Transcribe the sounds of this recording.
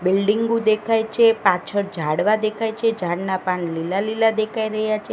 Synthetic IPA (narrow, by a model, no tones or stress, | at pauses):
bilɖiŋɡud̪ekʰajt͡ʃʰepãt͡ʃʰəɽd͡ʒʱaɽʋad̪ekʰajt͡ʃʰed͡ʒʱaɽnapaɳlilalilad̪ekʰaiɾəɦjat͡ʃʰe